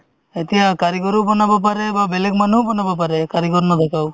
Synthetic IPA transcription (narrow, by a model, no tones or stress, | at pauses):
et̪ijakaɾikɔɾubɔnabap̬aɾebabelek̚manubɔnabap̬aɾekaɾikɔɾnɔd̪ʱekʰaw